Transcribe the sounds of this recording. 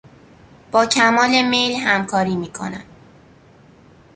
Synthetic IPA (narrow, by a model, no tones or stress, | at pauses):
b̥ɒːcʰæmɒːle̞mejlɦæmkʰɒːɾiːmiːkʰo̰næ̰n